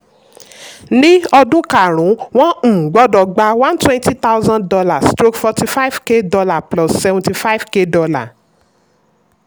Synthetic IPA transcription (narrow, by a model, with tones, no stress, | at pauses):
nĩ˦ɔ˧dũ˦ka˨ɾ̃ũ˨˦w̃ɔ̃˦˨ɡ͡bɔ˦dɔ˨ɡ͡ba˧wã˦ntwɛ̃˦nti˦t̪a˦wzã˦dɔ˧la˨stɾo˦kfɔ˧ti˧fa˦i˦vke˦dɔ˧la˨plɔ˨ssɛ˨vɔ̃nti˧fa˦i˦vke˦dɔ˧la˨